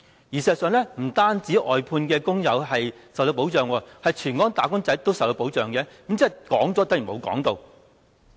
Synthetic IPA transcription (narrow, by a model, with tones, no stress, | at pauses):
jiː˨˩sɛː˨sœː˨˧ŋlɛː˥m̩˨˩t̪aː˥nt͡siː˨˥ʔɔː˨jpʰuː˧nkɛː˧kʊ˥ŋjɐ˨˧wɦɐ˨jsɐ˨wt̪o˧wp̬o˨˥wt͡sœː˨ŋwɔː˧hɐ˨jt͡ʃʰyː˨˩nkɔː˨˥ŋt̪aː˨˩kʊ˥ŋt͡sɐ˨˥jt̪o˥wsɐ˨wt̪o˧wpo˨˥wt͡sœː˨˩ŋkɛː˨˥ki˨˥mt͡sɛ˥˨kɔː˨˥ŋt͡sɔː˨˥t̪ɐ˥jy˨˩mo˨˧kɔ̰ː˨˥ŋt̪o˧w